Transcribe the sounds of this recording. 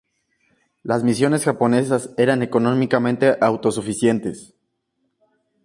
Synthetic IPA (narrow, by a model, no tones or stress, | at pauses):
lazmisjo̞ne̞sxapo̞ne̞s̬ase̞ɾane̞ko̞nõ̞mikamẽnt̪e̞ʔawt̪o̞sufisje̞nt̪e̞s